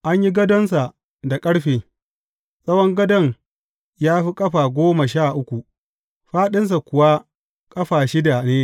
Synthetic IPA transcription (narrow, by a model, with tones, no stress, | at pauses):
ʔa˦ɲji˦ɡɐ˦dɔ˦nsa˨ | da˨kʼɐ˦ɽɸeː˨ | sʼɐ˦wɔ˦ŋɡɐ˦dɔ˦ŋ | jaː˦ɸi˦kʼɐ˦ɸaː˨ɡʷoː˦ma˨ʃaː˦˨ʔʊ˦kʷu˨ | ɸaː˦ɗɪ˦ns̬a˨kʷʊ˨wa˦ | kʼɐ˦ɸaː˨ʃɪ˦da˨neː˦